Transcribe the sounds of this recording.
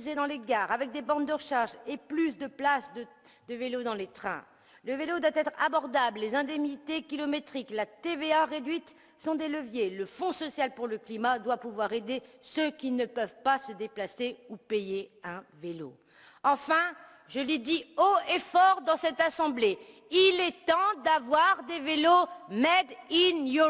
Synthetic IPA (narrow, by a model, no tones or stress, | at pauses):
zed̪ɑ̃leɡaːʁavɛk̚d̪ebɑ̃d̪d̪əʁəʃaʁʒeplysd̪əplasd̪ə | d̪əvelod̪ɑ̃let̪χɛ̰̃ | ləvelod̪wat̪ɛt̪χa̰bɔʁd̪abllezɛ̃d̪ɛmnit̪ekʲilɔmet̪χiklat̪eveaʁed̪ɥit̪ | sɔ̃d̪eləvjeləfɔ̃sɔsjalpuʁləklimad̪wapuvwaʁed̪esøkʲinəpœvpasəd̪eplaseupejeɛ̃velo̰ | ɑ̃fɛ̃ | ʒəlid̪ioefɔʁd̪ɑ̃sɛt̪asɑ̃ble | ilɛt̪ɑ̃d̪avwaʁd̪evelomɛd̪inju